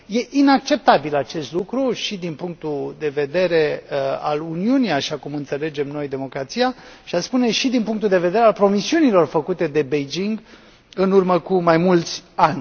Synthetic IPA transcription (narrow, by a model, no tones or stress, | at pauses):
je̞ʔinak̚t͡ʃe̞p̚t̪abilat͡ʃe̞st̪lukɾuʃid̪inpuŋk̚t̪ud̪e̞ve̞d̪e̞ɾe̞a̰luniunijaʃakumɨnt̪se̞le̞d͡ʒe̞mno̞jd̪e̞mo̞kɾat̪sijaʃiaspune̞ʃid̪inpuŋkt̪uld̪e̞ve̞d̪e̞ɾealpɾo̞misiunilo̞rfəkut̪e̞d̪e̞bejd͡ʒiŋɡ | ɨnurməkumajmult̪sʲanʲ